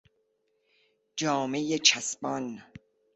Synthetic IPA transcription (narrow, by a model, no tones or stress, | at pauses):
d͡ʒɒːmejet͡ʃʰæsbɒn